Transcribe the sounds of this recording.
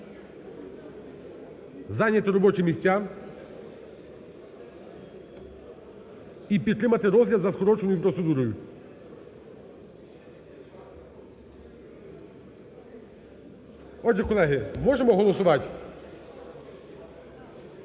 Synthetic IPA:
zanʲɛt̪ɛɾɔbɔt͡ʃimʲisʲtʲa | ipit̪t̪ːɾɪmat̪ɛɾɔzjad̪zɐskɔɾɔt͡ʃɔnʊjupɾɔt̪sɛd̪uɾɔju | ɔd͡ʒʒɛkɔlˠɛɦɪmɔʒɛmɔɦɔlˠɔsʊʋatʲ

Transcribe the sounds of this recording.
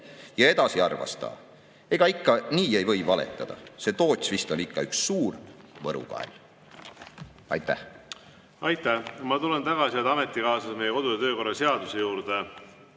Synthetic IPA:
jɑe̞d̪̥ɑsiɑrvɑ̰st̪ɑ̰ː | e̞ɡ̥ɑikːɑniːe̞jvɤ̞jvɑle̞̰t̪ˑːɑd̪̥ɑ̰se̞t̪o̞ːt̪ʲsvist̪o̞nikːɑyksːuːrvɤɾṵkɑ̰ḛl | ɑ̰jt̪ˑːæh | ɑjt̪ːæmɑt̪ulent̪ɑɡɑsiet̪ɑmet̪ːˑikɑːsɑsmejeko̞d̪uj̪ɑt̪øːko̞rːɑse̞ɑd̪use̞juːɾd̪̥e

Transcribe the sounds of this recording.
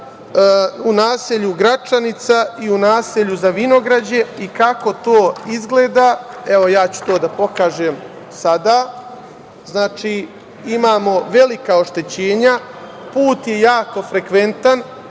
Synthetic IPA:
unaːseʎuɡɾat͡ʂanit̪saiunaːseʎuzaʋino̞ɡɾad͡ʑe̞ikako̞t̪oːizɡleːd̪aːe̞ʋo̞jaːt͡ɕu̥t̪o̞ːd̪apo̞kaːʒeːm | sad̪aː | znaːt͡ʃiː | imaːmo̞ʋe̞likao̞ʃt̪e̞t͡ɕeːɲa | puːt̪je̞jaːko̞fɾekʋe̞nt̪an

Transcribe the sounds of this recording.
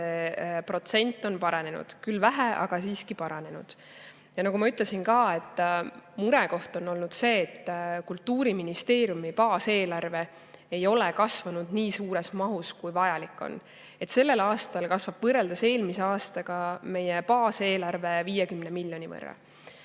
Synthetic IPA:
epro̞t̪se̞nʲt̪ˑːo̞npɑɾɑne̞nṵd̪̥kylːvæɦæʔɑ̰ɡ̥ɑsiːskipɑɾɑne̞nṵd̪̥ | jɑnɑɡumɑyt̪ˑlesinkɑːe̞t̪ˑːmuɾeko̞ht̪o̞nːo̞lnud̪̥se̞ːt̪ːkult̪ːuːɾiminist̪e̞ːɾijumipɑːse̞ːlɑrve̞ | ejo̞lekɑsvɑnud̪̥niːsuːɾe̞smɑɦuskujvɑjɑlikːˑo̰n | e̞t̪se̞lːe̞lɑːst̪ɑlkɑsvɑb̥vɤrːeld̪ese̞ːlmise̞ɑːst̪ɑɡ̥ɑme̞jepɑːse̞ːlɑrve̞viːjekymne̞milʲːjo̞nʲivɤ̰rːɑ̰

